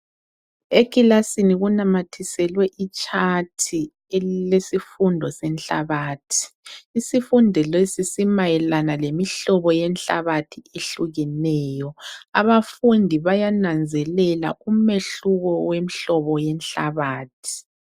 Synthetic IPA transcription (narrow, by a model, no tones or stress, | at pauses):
ekʰʼilasiniɣunamatʰisɛlwɛʔit͡ʃʰʼatʰi | lesifundʱɔsɛnɬa̰βaːtʰi̥ːsifundʱɛlesisimajɛlanalemiɬɔβɔjɛnɬaβatʰieɬuɣɛnɛːjɔaβafundʱiβajanand͡zʱɛlɛla̰ʔumeɬuɣɔwem̩ɬɔβɔjɛnɬaβaːtʰi̥